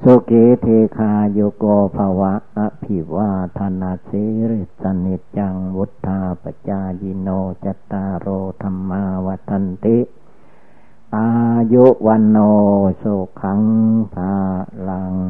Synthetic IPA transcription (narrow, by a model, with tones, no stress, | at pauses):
so˧ke˧˦t̪ʰe˧kʰaː˧jo˧ko˧pʰa˧wa˧˦a˧pʰi˨wa˧t̪ʰa˧na˧si˧˦ɾi˧t̪̚sa˧ni˧t̪̚t͡ʃa˧ŋwu˦t̪ʰːa˧pa˧˨t͡ɕa˧ji˧noː˧t͡ɕa˧t̪ːa˧ɾoː˧t̪ʰa˧mːa˧wa˧t̪ʰːa˧nt̪i˦ʔ | ʔa˧ju˦ʔwa˧noː˧so˧kʰa˧˦ŋpʰa˧la˧ŋ